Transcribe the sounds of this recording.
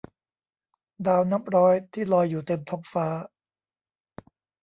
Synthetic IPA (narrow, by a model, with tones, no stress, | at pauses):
daː˧wna˦˥p̚ɾɔː˦˥jt̪ʰiː˥˩lɔː˧jːuː˨˩t̪e˧mt̪ʰo˦˥p̚faː˦˥